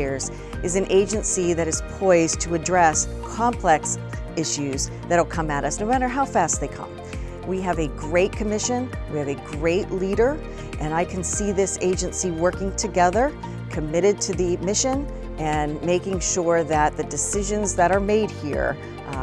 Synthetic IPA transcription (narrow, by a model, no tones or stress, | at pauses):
z | ɨzɨ̃nʔeɪd͡ʒɨ̃nsiðɨɾɨz̥pʰɔɪztʰɨɨdɹɛskʰɑ̃mpʰl̥ɛks | ɪʃʉz | ðɨɾl̩ˠkʰʌ̃mɨɾʌsnoʊmæɾə˞ɦaʊfæst̪̚ðeɪkʰʌ̰̃m | wiɨvɨɡɹeɪt̚kʰɨmɪʃɨ̃nwiɨvɨɡɹeɪʔliɾə˞ | ʔɨ̃naɪkʰɨ̃n̩siðɪseɪd͡ʒɨ̃nsiwɜ˞kɪ̃ŋtʰɨɡɛðə˞ | kʰɨmɪɾɨd̚tʰɨðɨmɪʃɨ̃n | ɨ̃nmeɪkɪ̃ŋʃʊɹðɨt̪̚ðɨdɨsɪʒɨ̃nzðɨɾə˞meɪd̚hḭɹ